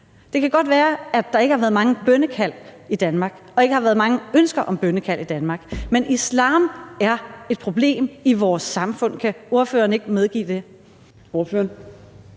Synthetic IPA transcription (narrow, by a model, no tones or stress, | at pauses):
d̥e̝kʰæɡ̥ɒ̽d̥ʋæːɐæd̥ɑ̈e̝ɡəhɑ̈ʋæːɐð̞̩ˠmɑ̈ŋəb̥œnəkʰæl̰id̥ænmɑ̈ːɡ̥ | ɒ̽e̝ɡ̥əhɑ̈ʋæːɐðˠmɑ̈ŋəønsɡ̥ɐʔɒ̽mb̥œnəkʰæl̰id̥ænmɑ̈ːɡ̥menʔislɑ̰̈ːmæɐe̝d̥̚pʰʁo̝b̥le̝̰ːmiʋɒːsːɑ̈mfɔ̽n̰kʰæo̝ɐfø̰ːɐne̝ɡ̥əmeð̞ˠɡ̥ḭːd̥e̝ | oɐføːɐn